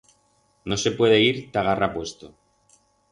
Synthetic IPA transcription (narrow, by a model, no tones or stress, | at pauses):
no̞se̞pwe̞ðeiɾt̪aɣarapwe̞st̪o